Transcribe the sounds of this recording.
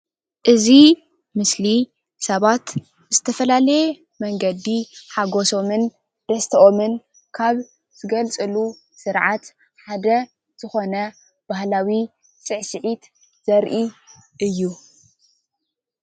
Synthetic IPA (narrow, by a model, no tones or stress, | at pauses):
ʔɨzi | mɨsli | sɐβat̪ | z̥ɨt̪ʰɐfɐlalɐje | mɐŋɡɐd̪iħaɡo̞so̞mɨn | d̪̥ɐst̪ʰɐʔomɨn | kʰaβ | z̥ɨɡɐlt͡sʼɨlu | sɨɾʕat̪ | ħad̪ɐ | z̥ɨxo̞nɐ | b̥ahlawi | t͡sʼɨʕsɨʕit̪ | z̥ɐɾʔiʔɨjːu